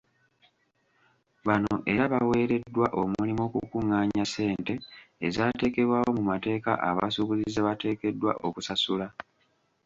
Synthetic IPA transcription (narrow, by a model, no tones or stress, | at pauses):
βanoʔe̞ɾaβawe̞ːɾe̞dːwaʔomulimo̞ːkukuŋːaːɲase̞ːnte̞ːzaːte̞ːke̞βwaːwo̞mumate̞ːka̰ʔaβasuβuzizaβate̞ːke̞dːwa̰ʔo̞kusasula